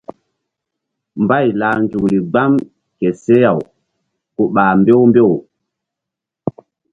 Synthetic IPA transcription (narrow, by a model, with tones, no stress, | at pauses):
mba˦˨jla˨nd͡ʒu˨kɾi˨ɡ͡ba˦m | kɛ˨se˦ja˨w | ku˨ɓaː˨mbe˦wmbe˦˨w